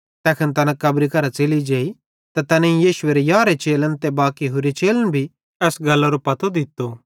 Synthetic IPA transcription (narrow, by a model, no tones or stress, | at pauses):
t̪ɛːkʰənt̪ɐnãkɐbɾikɐɾat͡ʃelid͡ʒeːi | t̪at̪ɐnẽĩjiːʃʊeːɾejaːɾet͡ʃeːlənt̪ebaːkiɦʊɾet͡ʃeːlənbʱi | ɛːsɡɐlːaɾopɐt̪od̪ɪt̪ːo